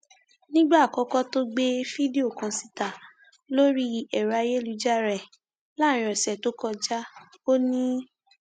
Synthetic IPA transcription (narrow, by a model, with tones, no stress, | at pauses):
nĩ˦ɡ͡ba˦˨kɔ˨˦kɔ˦to˦ɡ͡be˦fi˦de˦o˨kã˨si˧˦ta˨ | lo˦ɾi˦ɛ˨ɾa˧je˦lu˨˧˦d͡ʒa˦ɾɛ˨ | la˦˨ɾ̃ĩ˨ɔ̃˨sɛ˨to˨˦kɔ˦˧d͡ʒa˦ | o˦nĩ˦